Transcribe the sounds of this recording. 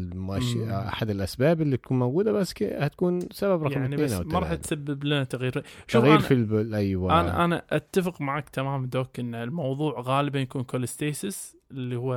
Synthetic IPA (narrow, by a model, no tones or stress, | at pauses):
mʔaʃʔa̰ħad̪ɪlʔasbaːbɪlːit̪ḁkuːnmoɡuːd̪abasːkhat̪kuːnsababɾˤɑjamʕnibaːsnʔːwmaɾˤɑːħat̪sabːɪblɪnat̪aɣjiːɾʃaɣiːɾfilblʔajwaʔana̰ʔana̰ʔat̪ːafɪqmaʕakt̪ʰamaːmd̪oːkʔɪnːlmɑwðˤuːʕɣaːlɪbanjakuːnkolɪst̪eːsɪs | ɪlːihʊwːa